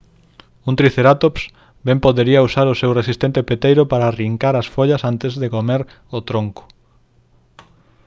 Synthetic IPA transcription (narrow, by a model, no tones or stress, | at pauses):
ũnt̪ɾiθeɾat̪ops | bɛmpoðeɾiɐusaɾʊsewresist̪ẽnt̪epet̪ejɾʊpaɾariŋkaɾasfoʎɐsant̪ezðekomeɾ | ot̪ɾoŋkʊ̥